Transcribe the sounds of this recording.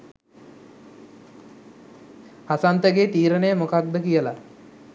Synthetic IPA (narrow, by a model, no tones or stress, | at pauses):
asant̪əɡeːt̪iːɾənəjəmokat̪̚bəkijəla